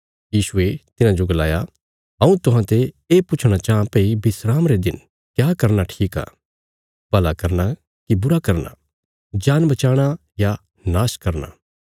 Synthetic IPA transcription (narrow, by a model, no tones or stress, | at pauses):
jiːsʊet̪ɪnãd͡ʒoɡɐla̰ːja | ɦɐ̃ũt̪ʊɦãt̪e | eːpʊt͡ʃʰɽ̃at͡ʃaːãpɛ̃ibɪsɾaːmɾed̪ɪn | kjaːkɐɾnaʈʰiːka̰ː | bɐlakɐɾna | kibʊɾakɐɾna̰ | d͡ʒaːnbɐt͡ʃaːɽ̃a | ja | naːskɐɾna̰